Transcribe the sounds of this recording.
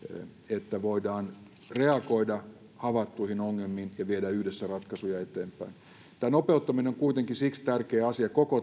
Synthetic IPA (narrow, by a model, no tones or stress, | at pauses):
et̪ːæʋoidɑːn | reɑkoidɑ | hɑʋɑt̪ːuihinoŋːelmːiːnjɑʋiedæyhdesːærɑt̪kɑsujɑet̪eːmpˑæin | t̪æːnopeut̪ːɑmineoŋkuit̪eŋkisikst̪ærkeːɑsiɑkoko